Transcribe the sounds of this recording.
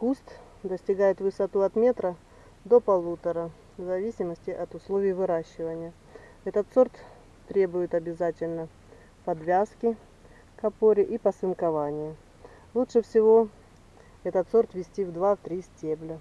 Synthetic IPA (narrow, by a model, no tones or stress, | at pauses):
kust̪ | d̪əsʲtʲɪɡajɪt̪vɨsɐt̪uɐt̪mʲe̞t̪ɾə | d̪o̞pɐlˠut̪əɾə | vzɐvʲisʲɪməsʲtʲɪʔɐt̪ʊslˠovʲɪjvɨɾaɕːɪvənʲɪjə | ɛt̪ət̪so̞rt̪ː | ɾʲe̞bʊjɪt̪ɐbʲɪzatʲɪlʲnə | pɐd̪vʲaskʲɪ | kɐpo̞ɾʲɪʔipəsɨnkɐvanʲɪjə | lˠutʂɨfsʲɪvo̞ | ɛt̪ət̪so̞rt̪vʲɪsʲtʲivd̪vaft̪ɾʲisʲtʲeblʲə